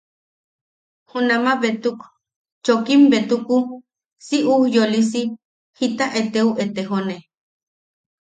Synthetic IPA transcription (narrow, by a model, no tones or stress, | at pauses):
hunamaβet̪uk | t͡ʃokimbet̪uku | siʔujolisi | hit̪aʔet̪euʔet̪eɦone